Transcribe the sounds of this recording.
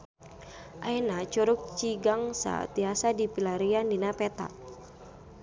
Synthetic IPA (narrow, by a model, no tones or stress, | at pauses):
ʔaɛnat͡ʃuɾuk̚t͡ʃiɡaŋsa̰t̪iasadipilaɾiandinapɛt̪a̰